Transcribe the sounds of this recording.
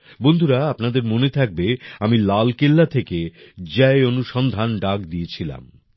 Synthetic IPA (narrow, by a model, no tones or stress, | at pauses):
bond̪ʱuɾaapnad̪eɾmonet̪ʰak̚beamilalkelːat̪ʰeked͡ʑɛeonuʃɔnd̪ʱanɖak̚d̪iet͡ɕʰila̰m